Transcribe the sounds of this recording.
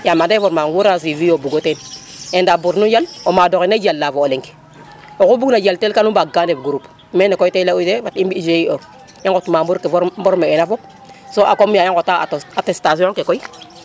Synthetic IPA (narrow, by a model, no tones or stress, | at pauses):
jamadefɔɾmaŋwuɾas̬ivijobuɡoten | endabuɾnujalomadokeneɟalːafoːleŋke̥ | okubuɡnaɟaltelkanubaɡandebɡuɾup | menekoitelautebatimbiid͡ʒeio | jeŋkotmambuɾkeɾbɔɾmeːnafɔp̚ | soʔakomjajeŋkotatatestas̬ioŋkekɔi